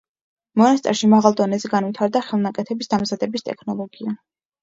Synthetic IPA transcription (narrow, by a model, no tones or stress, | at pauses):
mɔnast̪ʼɛɾʃimaʁalˠd̪ɔnɛzɛɡanvit̪ʰaɾd̪aχɛlˠnakʼɛt̪ʰɛbisd̪amzad̪ɛbist̪ʼɛ̰kʰnɔlˠɔɡia